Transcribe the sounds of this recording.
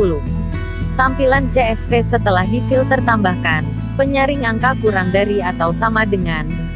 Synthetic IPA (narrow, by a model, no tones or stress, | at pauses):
ulu | t̪ampiland͡ʒeɛsfesət̪əlahnifɪlt̪ərt̪ambahkan | pəɲaɾɪŋaŋkakuɾaŋdaɾiat̪awsamadəŋan